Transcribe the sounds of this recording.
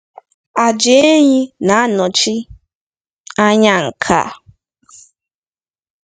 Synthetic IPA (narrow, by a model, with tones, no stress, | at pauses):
a˨d͡ʒe˦e˦ɲi˦na˨a˦nɔ˨t͡ʃi˦ | a˦ɲa˦ŋ̩˨kʰa̰˦˨